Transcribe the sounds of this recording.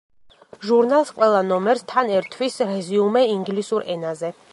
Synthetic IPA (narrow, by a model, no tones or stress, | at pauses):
ʒuɾnalˠsqʼwɛlˠanɔmɛɾst̪ʰanɛɾt̪ʰwisɾɛziumɛiŋɡlisuɾɛnazɛ